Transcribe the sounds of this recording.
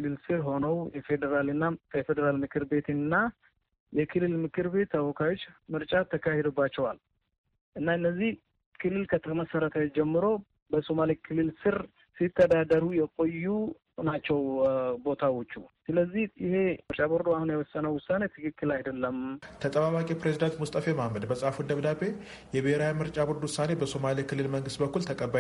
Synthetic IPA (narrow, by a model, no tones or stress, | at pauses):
lːɨlsɨɾɦo̞nəwjɛfe̞d̪əɾalɨnːajɛfe̞d̪əɾalmɨkʰɨɾbe̞t̪ɨnːa | jɛkʰɨlːɨlmɨkʰɨɾbe̞t̪ʰːawɔkʰawo̞t͡ʃːmɨɾt͡ʃʼat̪ʰːəkʰahed̪obːat͡ʃːɛwal | ʔɨnːaɨnːəzːih | kʰɨlːɨlkʰət̪ʰəməsəɾət̪ʰad͡ʒɛmːɨɾo̞ | bəsomalikʰɨlːɨlsɨɾ | sit̪ʰːəd̪ad̪əɾujɛkʼo̞jːu | nat͡ʃːɛwbo̞t̪ʰawo̞t͡ʃːusɨləzːihjɪhe̞mɨɾt͡ʃʼaboɾd̪oahunjɛwɔsːənəwʊsːane̞t̪ʰɨkɨkʰːɨlajd̪əlːəmt̪ʰət̪ʼəβaβakʼipɾezid̪ant̪must̪ʼəfe̞mamːəd̪bəsʼhafud̪əβd̪abe̞jɛbeheɾajmɨɾt͡ʃʼabɔɾd̪wʊsːane̞bəso̞malikʰɨlːɨlməŋɡɨst̪bəkːult̪ʰəkʼəbːa